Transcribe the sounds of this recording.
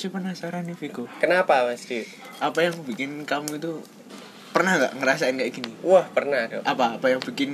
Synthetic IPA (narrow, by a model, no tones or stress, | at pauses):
sɪhpənasaɾanifikokənapamast̪i | ʔapajaŋb̥i̤kɪnkamuit̪u | pərnahŋɡa̰ʔŋəɾasaɪnɡaʔɡ̥iniwahpərnadɔʔapaːpajaŋb̥i̤kɪn